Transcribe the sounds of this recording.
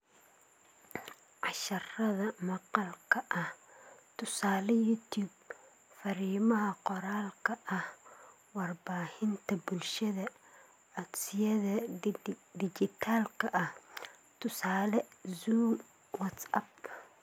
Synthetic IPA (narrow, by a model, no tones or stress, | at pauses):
ʕɑʃɐrɐðɐmɑqɑlkʰɐʔɐht̪ʰʊsaːlɛjut̪ʰuːb | fɐɾiːmɐɦɐqɔɾaːlkʰɐʔɐh | wɑrbaːhɪnt̪ʰɐbʊlʃɐðɐ | ɐɡsɪjɐðɐ | d̪ɪd͡ʒɪt̪ʰaːlkʰɐʔɐht̪ʰʊsaːlɛzuːm | wɐt̪sɐ̰b